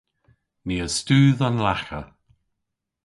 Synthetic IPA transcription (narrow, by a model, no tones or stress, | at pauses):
niːəstuːðɔnlaxə